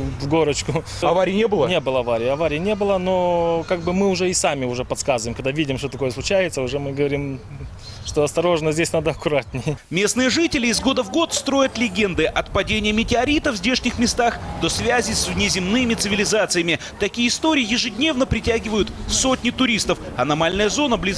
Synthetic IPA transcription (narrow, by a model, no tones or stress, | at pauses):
vɡo̞ɾət͡ɕkʊɐvaɾʲɪnʲebɨlˠənʲebɨlˠəɐvaɾʲɪjːɐvaɾʲɪjɪnʲe̞bɨlˠəno̞kaɡ̚bɨmɨʊʐɛɪsamʲɪʊʐɛpɐt̪skazɨvəjmkɐɡ̚d̪avʲidʲɪmʂt̪ot̪ɐko̞jəsˠʊt͡ɕæjɪt̪səʊʐɛmɨɡəvɐɾʲim | ʂt̪oɐst̪ɐɾo̞ʐnəzʲdʲesʲnad̪əɐkʊɾat̪nʲɪjəmʲe̞snɨjəʐɨtʲɪlʲɪːzɡo̞d̪əvɡo̞t̪st̪ɾo̞jət̪lʲɪɡʲe̞nd̪ɨʔɐt̪̚pɐdʲenʲɪjəmʲɪtʲɪɐɾʲit̪əvzʲdʲeʂnʲɪxmʲɪst̪axd̪̥o̞svʲæzʲɪsʲvnʲɪzʲɪmnɨmʲɪt̪sɨvʲɪlʲɪzat̪sɨjəmʲɪ | t̪ɐkʲijəst̪o̞ɾʲɪjɪjɪʐɨdʲnʲe̞vnəpɾʲɪtʲæɡʲɪvəjʊt̪so̞tʲnʲɪt̪ʊɾʲist̪əf | ɐnɐmalʲnəjəzo̞nəblʲiz